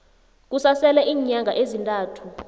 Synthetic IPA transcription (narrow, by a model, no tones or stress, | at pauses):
k̬usasɛlɛʔiːɲaŋɡʱa̰ʔezintʼaːtʰu